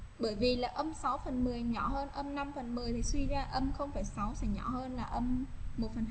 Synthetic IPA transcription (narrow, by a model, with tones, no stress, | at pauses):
ɓəː˧˩jvi˨˩laː˨˩ʔə˧msa˨˦wfə˨˩nmɨ˨˩əjɲɔ̰˧˩həː˧nʔə˧mna˧mfə˨˩nmɨ˨˩əjt̪ʰi˨˩swi˧zaː˧ʔə˧mxə˧wŋ͡mfaː˧˩jsa˨˦wsɛ̰˧˥ɲɔ̰˧˩həː˧nlaː˨˩ʔə˧mːo˨˩t̚fə˨˩